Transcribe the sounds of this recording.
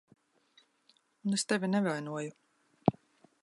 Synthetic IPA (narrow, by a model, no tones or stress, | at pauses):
unest̪evʲinɛvajnuɔju